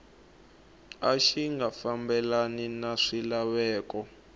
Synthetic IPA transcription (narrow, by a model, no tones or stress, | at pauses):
aʃiŋɡafambɛlaninaʂilaβɛːkɔ